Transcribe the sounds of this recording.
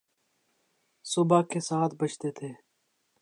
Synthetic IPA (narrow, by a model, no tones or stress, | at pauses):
sʊbaːkeːsaːt̪ʰbət͡ʃt̪eːt̪ʰeː